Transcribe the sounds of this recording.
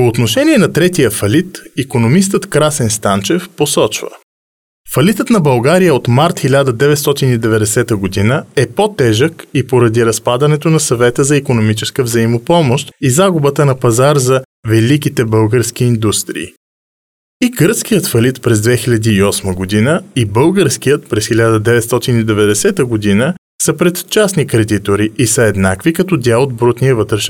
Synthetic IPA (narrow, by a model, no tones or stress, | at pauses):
poːt̪noʃɛniɛnɐt̪ɾɛt̪ijəfɐlit̪ikonomist̪ət̪kɾasɛnst̪ant͡ʃɛfposɔt͡ʃvə̰ | fɐlit̪ət̪nɐbɐlˠɡaɾijəot̪maɾt̪xilʲad̪əd̪ɛvɛt̪st̪ɔt̪inid̪ɛvɛd̪ɛsɛt̪əɡod̪inəɛpot̪ɛʒəkipoɾɐd̪iɾɐspad̪ɐnɛt̪onɐsɐvɛt̪əzɐikonomit͡ʃɛskəvzɐimopɔmoʃt̪izaɡʊbət̪ənɐpɐzaɾzɐ | vɛlikit̪ɛbɤlˠɡəɾsk̟iːnd̪ust̪ɾḭː | iɡəɾsk̟ijət̪fɐlit̪pɾɛzd̪vɛxiʎʲɐd̪iːɔsməɡod̪inəibɤlˠɡəɾsk̟ijət̪̚pɾɛsxilʲad̪əd̪ɛvɛt̪st̪ɔt̪inid̪ɛvɛd̪ɛsɛt̪əɡod̪inə | səpɾɛt̪t͡ʃasnikɾɛd̪it̪oɾiʔisəɛd̪nakvikɐt̪ɔd̪ʲalˠod̪̚bɾut̪nijəvət̪ɾɛʃ